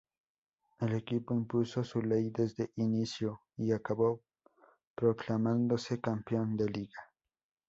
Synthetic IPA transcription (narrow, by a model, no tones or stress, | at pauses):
elekipoimpusosulejd̪ezd̪eʔinisjo | iakaβo | pɾoklamãnd̪osekampjond̪eliɣa